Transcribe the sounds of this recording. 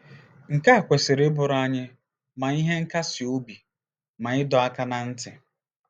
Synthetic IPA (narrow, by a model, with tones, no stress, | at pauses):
ŋ̩˨ka˦˨kʷe˨sɪ˨ɾe˦bʊ˨ɾa˦ɲɪ˦ | ma˨i˦ɦe˦ŋ̩˦ka˦si˨o˦bi˨ | ma˨ɪ˦dɔ˨a˦ka˦na˨n̩˦tɪ˨